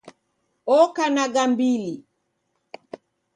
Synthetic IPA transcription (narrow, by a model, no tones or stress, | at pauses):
ɔkanaɡambili